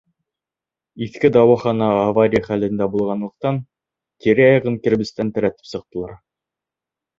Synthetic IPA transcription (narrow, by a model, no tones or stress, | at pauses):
iθkɘd̪ɑwɑχɑnɑːvaɾʲijχælɘ̆nd̪æbulˠʁɑnlˠɤ̆q̚t̪ɑn | kiɾɘɑjʁɤŋkɘ̆ɾbɘ̆st̪ænt̪æɾæt̪ɘ̥psɤ̆q̚t̪ɤ̆lˠɑɾ